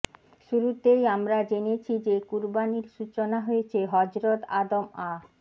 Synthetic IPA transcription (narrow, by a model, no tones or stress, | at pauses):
ʃuɾut̪ejamɾad͡ʑenet͡ɕʰid͡ʑekuɾbaniɾʃut͡ɕonaɦoet͡ɕʰeɦɔd͡ʑɾod̪a̰d̪oma